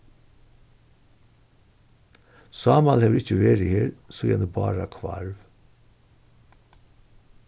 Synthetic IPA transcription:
sɑːmɑlheːʋɾɪc͡çəʋeːɾiheːɾsojɛ̰nəbɑ̰ːɾɑkʰʋɑ̰ɾʋ

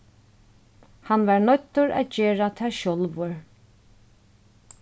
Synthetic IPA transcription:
hanvaɹnɔt̪ːʊɹa̰ðd͡ʒeːɹat̪ʰaʃɔlvʊɹ

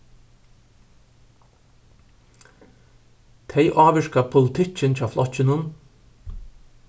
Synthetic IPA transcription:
t̪ʰɛɪjʔɑːʋɪʃkapʰʊlɪt̪ʰɪt͡ʃːɪnt͡ʃaːflɔt͡ʃːɪnʊn

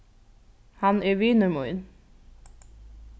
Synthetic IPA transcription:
hɑneːʋiːnəmuɪn

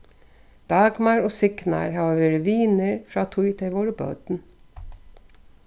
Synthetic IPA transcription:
d̪̥ɑːɡmɑːɾoːsɪknɑ̰ːɹhɑːʋeɾəʋiːnəɹfɾɑːt̪ʰʊʏt̪ʰɪʋoːɾəbø̰ːd̪n̩

